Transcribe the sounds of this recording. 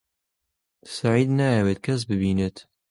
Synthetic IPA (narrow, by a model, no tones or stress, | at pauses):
saʕiːd̪najɛweːt̪̚kʰɐs̬bɨbiːnɪt̪